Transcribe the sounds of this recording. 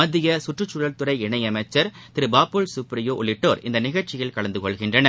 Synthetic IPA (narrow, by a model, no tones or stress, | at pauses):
mɐðɪjɐsʊʈrɯt͡ʃːʊɻɐlt̪ɯɾɐɪɛɳɐɪɐmɐɪt͡ʃːɐɾt̪ɪɾɯbaːpːɯɭsʊpɾɪjoːʔʊɭɪʈːoːɾɪnd̪ɐnɪɣɐɻt͡ʃːɪjɐlkɐɭɐnd̪ɯkɔɭɣɪndrɐnɐ